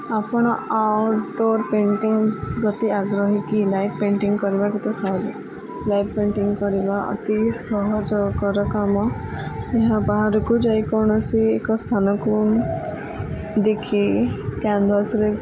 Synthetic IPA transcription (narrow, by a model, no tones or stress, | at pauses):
apɔɽ̃ɔawʈɖoɾpeɳʈiŋɡɾɔt̪iaɡɾɔɦikilajppeɳʈiŋɡkɔɾibakit̪ɔsɔli | lajppẽɳʈiŋɡkɔɾibaʔɔ̰t̪isɔɦɔd͡ʒɔkɔɾɔkamɔeɦãbaɦaɾɔkud͡ʒajkɔɾɳ̃ɔsiekɔst̪ʰanɔkɾun | d̪ekʰikand̪ɾasɾe